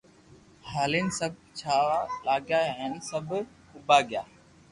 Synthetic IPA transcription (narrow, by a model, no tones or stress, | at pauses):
haːleːnɪsəb̚t͡ʃʰaːʋaːlaːɡjaːɦeːnsəbʱ | ʊbaːɡɪjaː